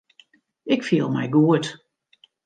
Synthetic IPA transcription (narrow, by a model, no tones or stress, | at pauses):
ɪkfiəlˠmɛjɡuət